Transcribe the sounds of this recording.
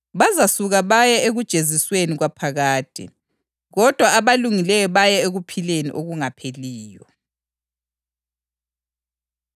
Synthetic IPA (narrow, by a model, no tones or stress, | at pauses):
βazasuɣaβajɛʔeɣud̥ʒ̥ʱezisweniɣwapʰaɣaːtʰʼḭ | ɣɔd̥ʱwaaβaluŋilɛjɔβajɛeɣupʰilenḭʔoɣuŋapʰeliːjɔ̰